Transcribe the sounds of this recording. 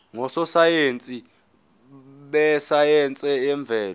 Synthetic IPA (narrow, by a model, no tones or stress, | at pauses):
ŋɔsɔsajent͡sʼi | ɓɛsajɛnt͡sʼɛɛɱb̪vʱɛːlɔ